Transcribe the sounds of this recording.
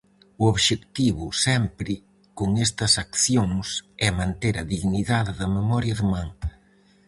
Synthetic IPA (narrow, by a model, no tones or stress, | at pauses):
ʊoβʃekt̪iβʊsɛmpɾɪ | koŋɛst̪ɐsakθjoŋsɛmãnt̪eɾɐðiɣniðaðɪðɐmemɔɾjɐðɪmaŋ